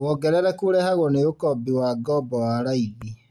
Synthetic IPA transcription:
wɔɡɛɾɛɾɛkuɾɛhaɣɔneɣokɔbiwaɡɔbɔwaːɾaiɣi

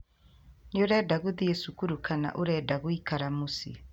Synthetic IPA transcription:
neoɾɛːdaɣuðiesukuɾukana̰ʔoɾɛːdaɣoikaɾamusḭ

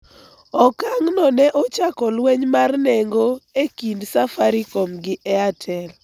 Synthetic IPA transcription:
ɔkaŋnɔnɛʔɔt͡ʃakɔlwɛɲmarnɛŋɡoekindsafaɾikomɡɪʔɛatʰɛl

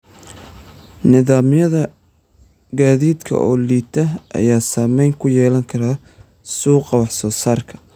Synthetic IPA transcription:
nɪðaːmɪjɐðɐ | ɡaːðiːd̪kʰɐ̰ʔɔːliːt̪ʰɐʔɐ̰jaːsaːmɛjŋkʰʊjɛːlɐŋkʰɐɾaː | suːqɑwɑħsɔːsaːrkʰɐ̥

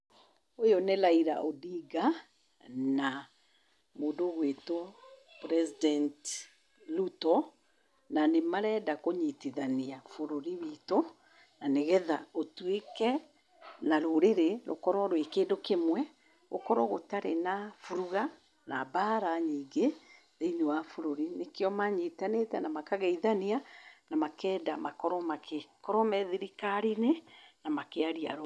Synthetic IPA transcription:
ojonelaiɾa̰ʔodiɡa | na | moːdoɣweto | pɾɛsidɛnt | lutɔ | nanemaɾɛːdakoɲitiðaniafoɾoɾiwiːto | naneɣɛðaotwekɛ | naɾoɾeɾeɾo̰kɔɾɔɾowekeːdokemwɛ | ɣo̰kɔɾɔɣotaɾenafuɾuɣa | na̰baɾaɲiːŋɡe | ɾeɲoafoɾoɾinekeɔmaɲitanetɛnamakaɣɛiðanianamakɛːdamakɔɾɔmakekɔɾɔmɛðiɾikaɾinenamakeaɾia̰ɾo

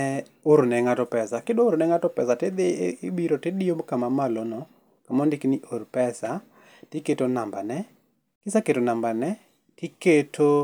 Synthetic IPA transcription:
ɛ | oɾnɛŋatɔpɛsakedooɾnɛŋatɔpɛsatɛd̪eɪbiɾotɛdijomkamamalonɔ | kamɔndɪknɪʔoɾpɛsa | tɪketonambanɛ | kɪsaketonambanɛ | tɪketʰo

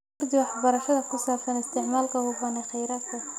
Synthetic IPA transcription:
rd̪ɪwɑħbɐɾɐʃɐðɐkʰʊsaːbsɐnɪst̪ʰɪʕmaːlkʰɐhʊbɐnɛxɛjɾaːt̪kʰɐ

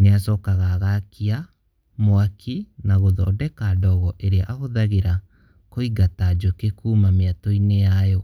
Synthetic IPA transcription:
neasɔːkaɣaɣakʰia | moakʰinaɣoðɔːdɛkadɔɣɔʔeɾeaʔaɣoðaɣeɾa | koiɡatad͡ʒokekumameatɔinejajɔ

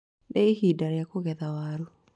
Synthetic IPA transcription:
ɗɛihidaɾjakoɣɛðawaɾu

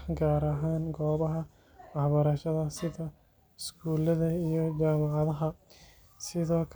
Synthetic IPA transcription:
ɡaːɾɐɦaːnɡɔːβɐɦɐ | wɑħbɐɾɐʃɐðɐsɪðɐ | ɪsɡuːlɐðɐijɔt͡ʃaːmɑʕɑðɐɦɐ | sɪðɔːkʰ

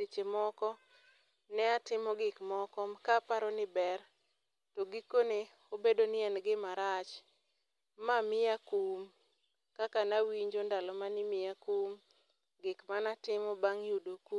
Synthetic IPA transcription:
et͡ʃemɔkɔ | nɛatɪmɔɡɪkmɔkɔmkapaɾɔnɪbɛr | tɔɡikone | obedonɪɛnɡɪmaɾat͡ʃ | mamɪakum | kakanawiɲd͡ʒondalɔmanɪmɪjakum | ɡɪkmanatɪmɔbaŋjudoku

